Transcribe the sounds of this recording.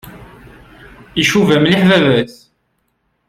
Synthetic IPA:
iʃuvæmliħvævæθ

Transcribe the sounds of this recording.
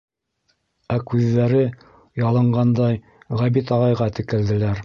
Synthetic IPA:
ækʉðːæɾɘ | jɑlˠɤ̆ɴɢɑnd̪ɑj | ʁæβit̪ɑʁɑjʁɑt̪ɘ̆kɘ̆ld̪ɘ̆læɾ

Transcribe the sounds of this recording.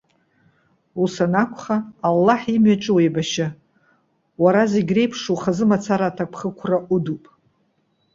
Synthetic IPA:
usanakʷʰχaːlːaħimɥat͡ʃʼɨwejbaʃa | waɾaziɡʲre̞jpʰʂuχazɨmat͡sʰaɾatʰakʷʰχəkʷʰraʔudupʼ

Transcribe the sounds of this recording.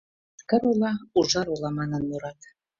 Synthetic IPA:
kə̆ɾulˠɑuʒɑɾulˠɑmɑnə̆nmuɾɑt̪

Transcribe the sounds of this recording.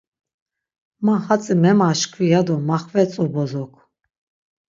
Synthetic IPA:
mahat͡sʼimɛmaʃkʰvijad̪ɔmaχvɛt͡sʼɔbɔzɔkʰ

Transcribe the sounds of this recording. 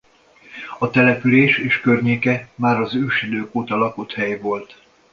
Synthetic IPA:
ɒt̪ɛlɛpyleːʃeːʃkørɲeːkɛmaːɾɒzøːʃid̪øːkoːt̪ɒlɒkut̪hɛjvo̞lt̪

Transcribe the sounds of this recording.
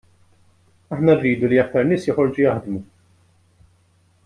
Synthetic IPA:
ɐħnɐrːiːd̪uliɐk̚t̪ɐɾnɪːsjɔħɔɾd͡ʒujɐħd̪mu

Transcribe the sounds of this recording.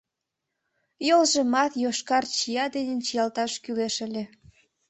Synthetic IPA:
jolʒĕmɑt̪joʃkɑrt͡ɕijɑd̪enʲent͡ɕijɑlt̪ɑʃkyleʃəlʲe

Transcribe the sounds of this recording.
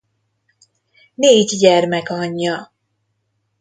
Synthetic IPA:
neːɟɟɛrmɛkɒɲːɒ

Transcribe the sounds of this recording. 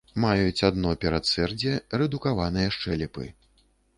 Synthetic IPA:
majut͡sʲad̪nɔpʲɛɾat̪sɛrd͡zʲɛrɛd̪ukavan̪ɨjɐʂt͡ʂɛlʲɛpɨ̰

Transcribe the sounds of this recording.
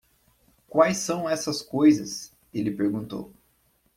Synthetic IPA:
kwajsɐ̃w̃ɛsɐskojzɐs | elɪpeɾɡũnt̪o̰w

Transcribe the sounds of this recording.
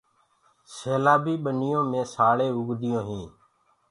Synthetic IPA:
seːlaːbiːɓənɪjõːmẽːsaːɭeːʊɡd̪ɪjõːɦĩː

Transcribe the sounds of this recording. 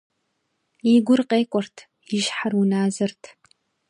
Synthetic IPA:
iɡʷʊrqeːkʷʼɔrtʰ | jɪʒħarwʊnaːzɨrtʰ

